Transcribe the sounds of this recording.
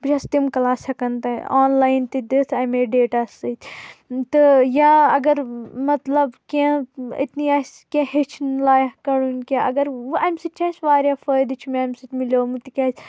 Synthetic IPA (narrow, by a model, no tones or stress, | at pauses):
bd͡ʒɐst̪imkɐlaːsɐkɐnt̪ɐaːnlaːjnt̪id̪it̪ʰɐjmeɖeːʈaːsɨt̪ʲt̪ɨjaːɐɡɐɾmɐt̪lɐbkẽḭt̪niaːskẽhet͡ʃʰnlaːjkɐɽunkaːʔɐ̰ɡɐɾɐjmsɨt͡ʃʰɐːsʋaːɾʲjaːfəjd̪ɨt͡ʃʰmeɐːmsɨt̪milʲoːmɨt̪ikʲaːs